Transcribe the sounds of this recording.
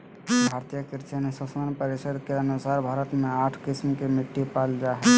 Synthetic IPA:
bʱaɾt̪ijəkiɾt͡ʃanesəsmanpəɾisəd̪keənusaɾbʱaɾət̪meaʈʰkismkemiʈːipald͡ʒaɦɛ

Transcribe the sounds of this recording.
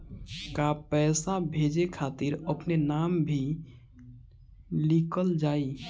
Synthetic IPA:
kapɛːsabʱed͡ʒekʰat̪iɾəpnenambʱi | likəld͡ʒaːi

